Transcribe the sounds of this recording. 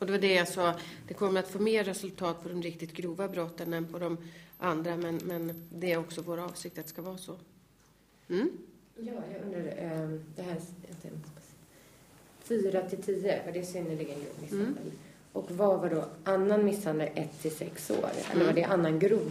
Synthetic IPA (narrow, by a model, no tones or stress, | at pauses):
ɔd̪ɛvaɖɛjasɑːd̪̥ɛkʰɔmːəɾat̪foːmeːɾːɛsɵlt̪ʰɑːt̪̚pʰɔd̪ɔmɾɪk̚t̪ɪt̪ɡɾuːvabɾɔt̪ːənɛnpʰɔd̪ɔmʔand̪ɾamɛnmɛnd̪ɛːɾɔksɔvoːɾaɑːvsɪk̚t̪at̪ɛ̥skavɑːsɔ | m̩ː | jɑːjɑɡɵnd̪ɾaɾd̪ɛɦæːt̪ʰɛs | fyːɾat̪ʰɪlt̪ʰiːəvaɖɛsʏnːəɭɪɡənɡɾṵːvmɪshand̪ə̰l | ʔɔkvavaɖɔʔanːanmɪsːand̪əlʔɛt̪ʰːɪlsɛkso̰ːɾɛ̰lːəɾvaɖɛʔanːanɡɾuːv